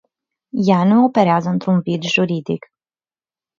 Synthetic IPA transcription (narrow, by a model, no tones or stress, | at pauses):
januo̞pe̞ɾeazəɨnt̪ɾunvid̪ʒuɾid̪ḭk